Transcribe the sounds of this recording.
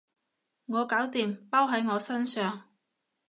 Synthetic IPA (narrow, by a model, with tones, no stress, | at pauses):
ŋɔː˨˧kaː˨˥wt̪iː˨mpaː˥wɦɐ˨˥jŋɔː˨˧sɐ˥nsœː˨ŋ